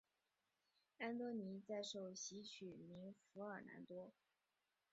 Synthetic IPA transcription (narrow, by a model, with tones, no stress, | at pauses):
a˥nt̪wɔ˥ni˧˥t͡sa˥˧ɪʂo˥˩ʊɕi˧˥t͡ɕʰy˨˩mi˧˥ŋfu˧˥ə˞˨˩na̰˧˥nt̪wɔ˥